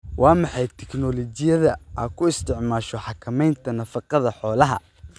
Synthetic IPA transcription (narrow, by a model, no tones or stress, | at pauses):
wɑːmɑħɑjt̪ʰɛknɔlɔt͡ʃɪjɐðɐʔɐːkʰʊɪst̪ʰɪʕmaːʃɔħɑkʰɐmɛjnt̪ʰɐnɐfɑqɑðɐħɔːlɐɦɐ̰